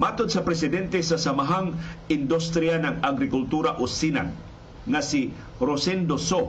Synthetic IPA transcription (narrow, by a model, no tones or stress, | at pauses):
mat̪od̪̚sɐpɾɛsɪd̪ɛnt̪ɛsasamaɦaŋɪnd̪ust̪ɾianaŋaɡɾɪkʊlt̪uɾaʔosina̰ŋ | ŋasi | ɾosɛnd̪oso